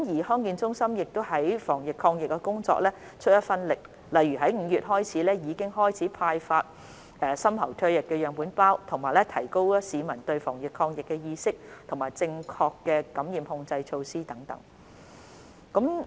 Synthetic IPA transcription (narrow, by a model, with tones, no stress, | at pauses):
mjiː˨˩hɔː˥ŋkiː˧nt͡sʊ˥ŋsɐ˥mjɪ˨k̚t̪o˥wɦɐ˨˥jfɔː˨˩ŋjɪ˨kʰːɔː˧ŋjɪ˨k̚ːɛ˧kʊ˥ŋt͡sɔ̰ː˧k̚lɛː˥ | t͡ʃʰɵ˥t̚jɐ˥t̚fɐ˥nlɪ˨k̚ | lɐ˨jɥyː˨˩ɦɐ˨˥jŋ̩˨˧jyː˨t̚ɦɔː˥jt͡sʰiː˨˥lɛː˥jiː˨˧kɪ˥ŋɦɔː˥jt͡sʰiː˨˥pʰaː˧jfaː˧t̚ | ɛː˨˩sɐ˥mhɐ˨˩wt̪ʰɵ˧ɥjɪ˨˩kːɛː˧jœː˨ŋpuː˨˥npaː˥wt̪ʰʊ˨˩ŋmaː˨˩jlɛ˥t̪ʰɐ˨˩jko˥wsiː˨˧mɐ˨˩nt̪ɵ˧ɥfɔ̰ː˨˩ŋjɪ˨kʰːɔː˧ŋjɪ˨kːɛ˧jiː˧sɪ˥k̚t̪ʰʊ˨˩maː˨˩jt͡sɪ˧ŋkʰɔː˧kːɛː˧kɐ˨˧˥mjiː˨˧mhʊ˧ŋt͡sɐ˧jt͡ʃʰo˧wsiː˥t̪ɐ˨˥ŋt̪ɐ̰˨˥ŋ | kɐ˨˥m